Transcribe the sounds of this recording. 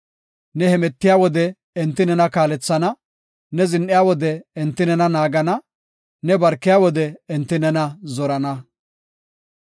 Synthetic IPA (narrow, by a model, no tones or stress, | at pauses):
nɛhɛmɛt̪ːɪjaːwɔd̪ɛ | ɛnt̪ːɪnɛnɐkaːlɛt͡sːɐnɐ | nɛzɪnʔɪjaːwɔd̪ɛːnt̪ːɪnɛnɐnaːɡɐnɐ | nɛbɐɾkːɪjaːwɔd̪ɛːnt̪ːɪnɛnɐzɔɾɐnɐ